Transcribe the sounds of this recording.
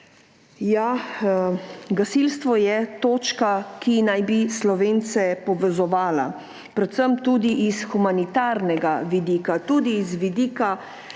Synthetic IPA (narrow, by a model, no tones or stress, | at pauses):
ja | ɡasilst̪ʋɔjɛt̪oːt͡ʃkakinajbislɔʋeːnt̪sɛpɔʋɛzɔʋaːla̰ | pɾɛt̪səmt̪uːd̪iʔisxumanit̪aːɾnɛɡaʋid̪iːkat̪uːd̪iːzʋid̪iːka